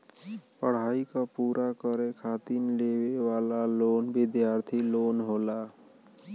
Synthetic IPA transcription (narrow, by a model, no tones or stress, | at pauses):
pəɽ̤aːikapuːɾʔakəɾekʰaːt̪inlewewaːlaloːnbɪd̪jaːɾt̪ʰiloːnɦoːla